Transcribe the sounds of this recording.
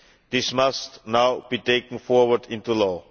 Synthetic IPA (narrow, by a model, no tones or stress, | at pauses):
d̥̪ɪsmastnaʊb̥itekə̃nfɔɹwədɪ̃ntulɔ